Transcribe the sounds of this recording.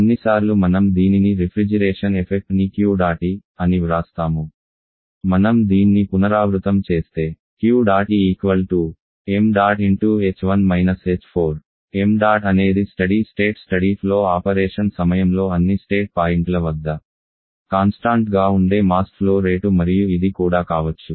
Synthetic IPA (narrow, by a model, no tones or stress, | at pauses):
onːisaːɾlumɐnɐmd̪iːniniɾipʰɾid͡ʒɐɾeːʂɐnepʰek̚ʈnikjuːɖaːʈiɐniʋɾaːst̪aːmu | mɐnɐmd̪iːnnipunɐɾaːʋɾut̪ɐmt͡ʃe̞ːst̪e̞ː | kjuːɖaːʈiiːkʋɐlʈu | emɖaːɖiɳʈuːeːt͡ʃʋɐnmɐjnɐseːt͡ʃpʰo̞ːɾ | emɖaːɖɐne̞ːd̪isʈɐɽisʈe̞ːʈsʈɐɽipʰlo̞ːaːpɐɾɛːʂɐnsɐmɐjɐmlo̞ːɐnːisʈe̞ːʈ̚paːjiɳʈlɐʋɐd̪ːɐ | kaːnsʈaːɳʈɡaːuɳɖe̞ːmaːsʈpʰlo̞ːɾe̞ːʈumɐɾijuid̪ikuːɽaːkaːʋɐt͡ʃːu